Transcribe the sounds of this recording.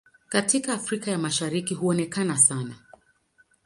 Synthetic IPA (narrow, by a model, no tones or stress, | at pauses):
katʰikaːfɾikajamaʃaɾikiɦuɔnɛkanasana̰